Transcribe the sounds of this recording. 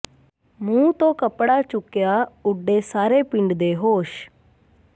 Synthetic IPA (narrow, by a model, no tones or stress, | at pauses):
mũːt̪õːkəpɽaːt͡ʃʊkːjaːʊɖːeːsaːɾeːpɪ̃ɳɖd̪eːɦoːʃ